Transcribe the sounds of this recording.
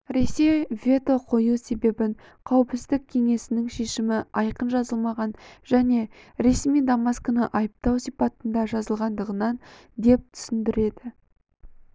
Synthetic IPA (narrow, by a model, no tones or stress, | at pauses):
ɾe̞se̞jvʲe̞t̪o̞qʰo̞juse̞be̞bɪŋ | qʰɑwəpsɪzd̪ɪk̚kʲʰe̞ŋe̞sɪnɪŋʃe̞ʃɪmɪɑjqənʒɑzəlˠmɑʁɑnʒ̥æne̞ɾe̞smijd̪amɑskənəʔɑjəp̚t̪ɑwsijpɑt̪ənd̪ɑʒɑzəlˠʁɑnd̪əʁənɑn | d̪e̞p̚t̪ʰʏ̥sɪnd̪ɪɾe̞d̪ɪ